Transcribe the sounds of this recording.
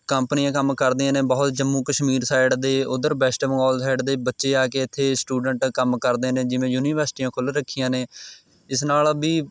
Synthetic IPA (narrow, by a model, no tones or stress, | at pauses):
kəmpnɪjãːkəmkəɾd̪iãːnẽːbɔːt̪d͡ʒəmːũːkəʃmiːɾsaːɪɖd̪eːʊd̪əɾbɛːsʈmə̃ŋɡɔːlsaːɪɖd̪eːbətːʃeːaːkeːɪt̪ʰːeːsʈuːɖəɳʈkəmkəɾd̪eːnẽːd͡ʒɪʋẽːjuːniːʋəɾsʈiːãːkʰʊlɾəkʰːijãːneː | ɪsnaːlbiː